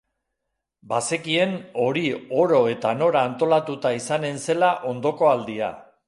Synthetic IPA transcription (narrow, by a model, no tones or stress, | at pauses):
base̞kie̞no̞ɾio̞ɾo̞e̞t̪ano̞ɾaːnt̪o̞lat̪ut̪aisane̞nse̞laʔo̞nd̪o̞ko̞ald̪ia̰